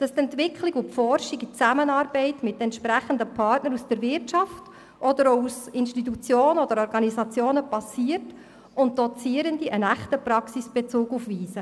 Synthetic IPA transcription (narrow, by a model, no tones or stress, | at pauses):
d̥ɑst̪ɛntʋɪkʰliɡʊtfɔrʃiɡit͡sæmənɑːɾbɛɪtmɪtːɛntʃpɾæχən̩dəpʰɑrtnəɾusd̥əɾvɪɾtt͡ʃɑft | ʔɔd̥̪əɾousɪnʃtit̬ut͡sjoːnənɔdəɾɔɾɡɑnisɑt͡sjoːnəpɑsiəɾt | ʊnt̚d̥ɔt͡siːəɾəndiʔənæχtəpɾɑksisb̥et͡suːɡufʋiːsə